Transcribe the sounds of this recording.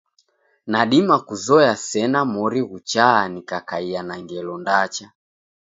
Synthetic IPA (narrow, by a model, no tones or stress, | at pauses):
naɗimakuzɔjasɛnamɔɾiɣut͡ʃaːnikakaianaŋɡɛlɔndat͡ʃa